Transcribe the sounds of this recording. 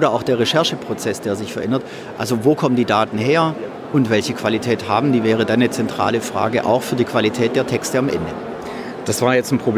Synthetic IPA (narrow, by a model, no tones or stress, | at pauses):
ʔoːɾɐʔaʊxd̥eːɐʁeʃɛɐʃəpʁ̥ot͡sɛsd̥eːɐzɪçfɛɐʔɛndɐt | ʔalzovoːkʰɔməndiːdaːtn̩heːɐ | ʊntv̥ɛlçəkv̥alitʰɛːtha̰ːbm̩d̥iːvɛːʁ̞ədanːət͡sɛntʁ̥a̰ːləfʁ̥a̰ːɡəʔa̰ʊxfyːɐdiːkv̥alitʰɛːt̚d̥eːɐtʰɛkstəamʔɛ̰ndə | d̥asv̥aːɐjɛt͡stn̩pʁ̥ob